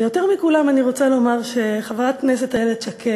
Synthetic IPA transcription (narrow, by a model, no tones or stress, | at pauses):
jo̞teʁmikulamaniʁo̞t͡salo̞maʁʃe̞χavʁat̚knesetaeleʃakʰe